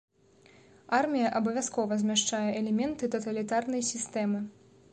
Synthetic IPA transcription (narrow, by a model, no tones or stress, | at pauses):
armʲijɐʔɐbɐvʲjaskɔvɐzʲmʲaʂt͡ʂajɛʔɛlʲɛmʲɛnt̪ɨt̪ɐt̪ɐlʲit̪arn̪ɐjsʲist̪ɛmɨ